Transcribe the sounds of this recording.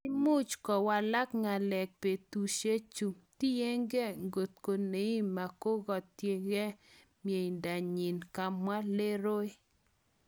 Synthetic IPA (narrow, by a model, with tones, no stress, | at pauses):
i˦mu˦t͡ʃkɔ˨wa˨la˦kŋa˨lɛ˨k̚pe˨tu˨ʃe˦t͡ʃu˨ti˦je˦ŋɡe˦ŋɡo˨t̪̚ko˨ne˨˦i˦ma˨ko˦ɡɔ˨tje˦ŋɡe˦ | mje˨jnda˨ɲi˨nka˨mwa˦le˦ɾo˦ɪ˦